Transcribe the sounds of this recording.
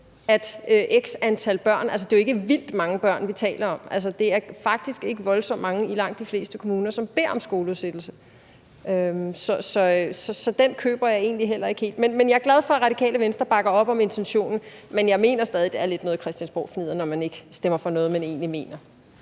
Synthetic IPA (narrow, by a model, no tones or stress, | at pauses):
æd̥øʔeɡ̥sænt͡sʰæl̰b̥ɶɐ̰nælsəd̥e̝joe̝ɡ̥əʋil̰d̥mɑ̈ŋəb̥ɶɐ̰nʋit͡sʰɛ̰ːlɐɒ̽mʔæls̬ɐd̥e̝æɐfɑ̈ɡ̥̚d̥isɡ̥e̝ɡ̥əʋɒ̽lsɒ̽m̰ːmɑ̈ŋəilɑ̈ŋ̰d̥d̥ifle̝̰ːsd̥əkʰo̝muːnɐsɒ̽mb̥e̝ɐ̰ɒ̽msɡ̥o̝ːləuðˠsed̥l̩sə | øsɒ̽sɒ̽sɒ̽sɒ̽d̥enkʰø̰ːb̥ɐjɑ̈ɪe̝ːnliɦel̰ɐe̝ɡ̥he̝̰ld̥menmenjɑ̈æɐɡ̥læð̞ˠfɒ̽ʁɑ̈ɾ̥ikʰɛ̰ːləʋensd̥ʁɐb̥ɑ̈ɡ̥ɐɒ̽b̥ɒ̽me̝nt͡sʰenɕo̝̰ːnn̩menjɑ̈ɪme̝̰ːnɐsd̥ɛːð̞ˠid̥eæɐle̝d̥nɔ̽ːð̞̩ˠkʰʁɛsd̥jænsb̥ɒ̰ːfnið̞̰ˠɐnɒmæne̝ɡ̥əsd̥emɐfɒ̽nɔ̽ːð̞̩ˠmæne̝̰ːnlime̝̰ːnɐ